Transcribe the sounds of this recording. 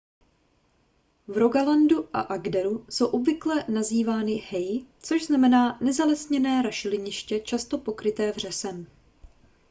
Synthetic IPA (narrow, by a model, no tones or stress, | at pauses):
vɾo̞ɡalanduʔa̰ʔaɡdɛɾuso̞wʔo̞bvɪklɛnaziːvaːnɪhɛjt͡so̞ʒznamɛnaːnɛzalɛsɲɛnɛːɾaʃɪlɪɲɪʃcɛt͡ʃast̪o̞po̞kɾɪt̪ɛːvr̝ɛsɛm